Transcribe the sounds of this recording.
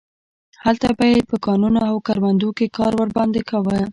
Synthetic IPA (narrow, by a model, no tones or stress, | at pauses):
halt̪abajepəkɑnunoawkaɾmand̪okekɑɾwəɾbɑnd̪ekawə